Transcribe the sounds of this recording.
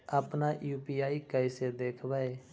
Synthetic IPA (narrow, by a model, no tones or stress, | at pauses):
aːpnaːjuːpiːaːiːkaːɪsed̪eːkʰʋaeː